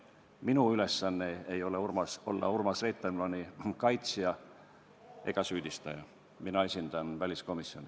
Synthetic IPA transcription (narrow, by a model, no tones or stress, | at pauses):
minuyle̞sːɑnːeejo̞leurmɑso̞lːɑ̰urmɑsret̪ːˑemlonʲikɑjt̪sjɑ | e̞ɡ̥ɑsyːd̪̥ist̪ɑjɑ | minɑe̞sʲind̪̥ɑnvælʲisko̞misjo̞̰ni